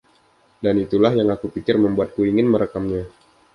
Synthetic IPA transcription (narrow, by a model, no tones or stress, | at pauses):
danit̪ulahjaŋakupikɪrməmbuat̪̚kuiŋɪnməɾəkamɲa